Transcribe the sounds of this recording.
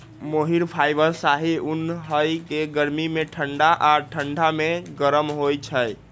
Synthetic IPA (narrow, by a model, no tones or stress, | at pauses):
moɦiɾpʰajbəɾsaɦiunɦəjkeɡəɾmimeʈʰəɳɖaʔaʈʰəɳɖʱameɡəɾəmɦojt͡ʃʰəj